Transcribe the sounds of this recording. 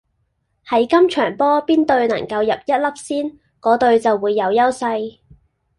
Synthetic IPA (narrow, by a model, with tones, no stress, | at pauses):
hɐ˨˥jkɐ˥mt͡ʃʰœː˨˩ŋpɔː˥piː˥nt̪ɵ˧ɥnɐ̰˨˩ŋkɐ˧wjɐ˨p̚jɐ˥t̚lɐ˥p̚siː˥n | kɔː˨˥t̪ɵ˧ɥt͡sɐ˨wuː˨˧jːɐ˨˧wjɐ˥wsɐ˧j